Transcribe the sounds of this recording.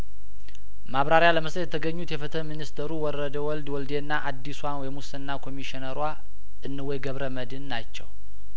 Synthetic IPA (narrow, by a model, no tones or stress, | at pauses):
maβɾaɾjaləməsət̪jɛt̪ʰəɡəɲːut̪jɛfət̪ʰəminist̪ʰəɾuwɔɾəd̪əwɔld̪wɔld̪enːaʔad̪ːiswawɔjɛmusɨnːakʰo̞miʃinəɾwa | ʔɨnːɨwɔjɡəβɾəməd̪ɨnːat͡ʃːɛw